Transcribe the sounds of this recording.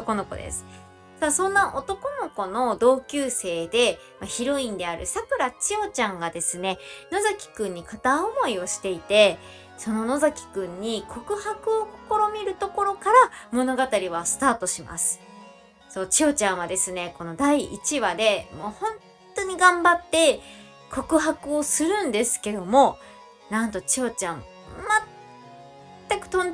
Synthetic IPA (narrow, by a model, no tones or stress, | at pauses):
oko̞no̞ko̞̰d̪ḛsɨ̥ | sasõ̞nːaʔo̞t̪o̞ko̞no̞ko̞no̞d̪o̞ːkʲɨːse̞ːd̪e̞ | maçiɾo̞ĩnd̪e̞aɾɯ̟̰sakɯ̟ɾat͡ɕio̞t͡ɕãŋɡad̪e̞sɨne̞no̞zakʲi̥kɯ̟̃ɲ̟ːikat̪ãomo̞io̞ɕi̥t̪e̞it̪e̞ | so̞no̞no̞zakʲi̥kɯ̟̃ɲ̟ːikʰo̞kɯ̟hakɯ̟o̞ko̥ko̞ɾo̞mʲiɾɯ̟t̪o̞ko̞ɾo̞kaɾamo̞no̞ɡat̪aɾʲiβasɨ̥t̪aːt̪o̞ɕima̰sɨ̥ | so̞ːt͡ɕio̞t͡ɕãɰ̃βad̪e̞sɨne̞ko̞no̞d̪aiʔit͡ɕiβad̪e̞mo̞ːhõ̞n | t̪o̞ɲ̟iɡãmbat̪ːe̞ | kʰo̞kɯ̟ɦakɯ̟o̞sɨɾɯ̟̃nd̪e̞sɨ̥ke̞d̪o̞mo̞ | nãnt̪o̞t͡ɕio̞t͡ɕãm̃ | mat̪ | akɯ̟̥t̪õn